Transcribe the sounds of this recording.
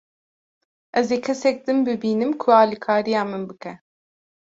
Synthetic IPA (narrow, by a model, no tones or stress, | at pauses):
ʔɛzeːkʰɛsɛk̚d̪ɨnbɨbiːnɨmkʰuɑːlikʰaːɾijaːmɨnbɨkʰɛ